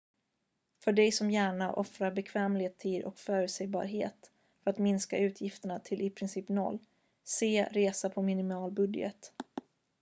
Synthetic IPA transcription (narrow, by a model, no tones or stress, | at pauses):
fœɖɛjsɔmjæːɳaʔɔfɾabɛkʰvɛːmlɪeːt̪ʰːiːd̪ɔ̰kfœːɾʉsɛjbɑ̰ːɾɦḛːt̪ | fœɾat̪mɪnska̰ʉ̟ːt̪ʰjɪft̪əɳat̪ʰɪlʔɪpʰɾɪnsiːpnɔ̰lː | seːɾeːsapʰɔmɪnɪmɑːlbɵd̪jə̰t̪